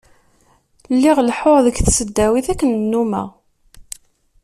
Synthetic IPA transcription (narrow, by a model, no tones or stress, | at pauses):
lːiʁlħoɾðəɡθsəd̪ːæwiθækːənnːumæ̰